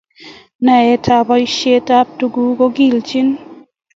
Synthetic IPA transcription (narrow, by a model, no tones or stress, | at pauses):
naetʰabɔjʃetap̚tuɡukoɡilt͡ʃʰin